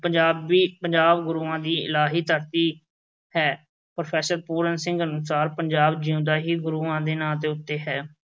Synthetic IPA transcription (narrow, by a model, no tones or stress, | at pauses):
pəɲd͡ʒaːbiːpəɲd͡ʒaːbɡʊɾuːãːd̪iːɪ̰laːɦiːt̪əɾt̪iː | hɛː | pɾopʰɛːsəɾpuːɾənsɪ̃ŋɡənʊsaːɾpəɲd͡ʒaːbd͡ʒiũːd̪aːɦiːɡʊɾuːãːd̪eːnãːt̪̬eːʊt̪ːeːɦɛː